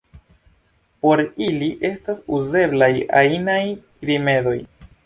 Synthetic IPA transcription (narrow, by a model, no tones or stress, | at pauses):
po̞ɾiliʔe̞stasuze̞blaja̰naj | ɾime̞do̞j